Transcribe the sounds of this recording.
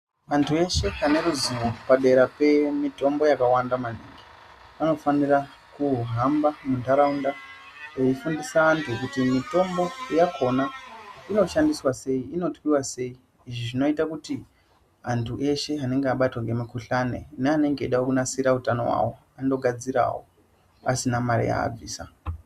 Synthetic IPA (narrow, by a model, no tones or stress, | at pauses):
ʋantʰue̞ʃe̞ane̞ɾuziʋopaɗe̞ɾape̞mito̞mbo̞jakawandamanḛŋɡe | ano̞fanira | kuɦambamundʱaɾaunda | ejifundisaːntʰukutimito̞mbo̞ijakʰo̞naino̞ʃandiswase̞iino̞twiwase̞iː | ʐiʐino̞itakuti | antʰuʔe̞ʃe̞ane̞ŋɡeaɓatwaŋɡe̞mikuɬane̞̰neane̞ŋɡeiɗaokunasiɾautano̞̰wa̰wo̞ | ando̞ɡʱad͡ziɾa̰wo̰ | a̰sinamaɾḭja̰ːb͡vḭːsa̰